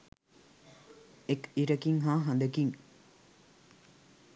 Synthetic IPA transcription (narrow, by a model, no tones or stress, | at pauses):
ekiɾəkiŋɦaːɦand̪əkiŋ